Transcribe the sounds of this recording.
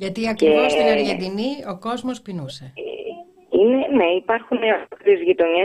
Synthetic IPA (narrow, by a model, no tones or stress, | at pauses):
ʝɐt̪iɐkɾivost̪inɐɾʝe̞nd̪inio̞ko̞zmo̞spinuse̞ | ineneipɐɾxuneɐɾezʝit̪o̞ɲe